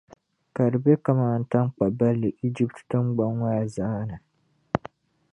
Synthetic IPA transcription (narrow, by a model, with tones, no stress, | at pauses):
ka˨ɾbe˦ka˦maː˦˨n̩˦ta˦ŋk͡pa˨ba˦lːɪ˨ʔi˦d͡ʒi˦p̚ttɨ˦ŋɡ͡ba˦ŋwaː˦˨za˦na˨